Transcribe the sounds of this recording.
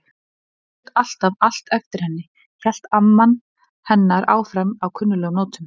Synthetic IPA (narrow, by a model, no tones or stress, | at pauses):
t̪al̥t̪aval̥t̪œft̪ɪɾ̥hɛnːɪ | fjɛl̥t̪amːan | hɛnːaɾaːwfɾɛmawkʰʏnːʏlɛːɣʏmnɔːt̪ʏm